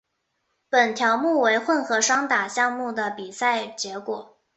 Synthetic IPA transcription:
pə˨˩nt̪ʰjɑ˧˥ʊmu˥˩we˧˥ɪxwə˥˩nxɤ˧˥ʂɑ˥ŋt̪a˨˩ɕjɑ˥˧ŋmu˥˩d̪ə˩pi˨˩sa˥˩ɪt͡ɕjɛ˧˥kwɔ˨˩˦

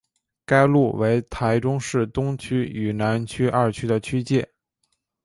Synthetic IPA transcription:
ka˥ɪlu˥˩we˧˥ɪt̪ʰa˧˥ɪʈ͡ʂʊ˥ŋʂɻ̩˥˩t̪ʊ˥ŋt͡ɕʰy˥y˨˩na˧˥nt͡ɕʰy˥ʔɐ˥˩t͡ɕʰy˥d̪ə˨t͡ɕʰy˥t͡ɕjɛ˥˩

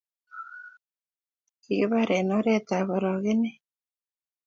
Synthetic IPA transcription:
kḭ˨βa˦ɾe˨no˦ɾet̪a˨βo˨ɾo˨ɣe˦ne˦

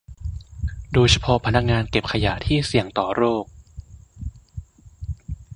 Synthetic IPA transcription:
doː˧t͡ɕʰa˧pʰɔ˧˥pʰa˧na˦˥k̚ŋaː˧nke˨˩p̚kʰa˧ja˨˩˦t̪ʰiː˥˩si˨˩əŋt̪ɔː˨˩ɾoː˥˩k̚

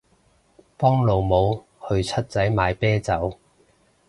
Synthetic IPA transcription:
pɔː˥ŋlo˨wmo˨˧w | hɵ˧ɥt͡sʰɐ˥t̚t͡sɐ˨˥jmaː˨˧jpɛː˥t͡sɐ˨˥w

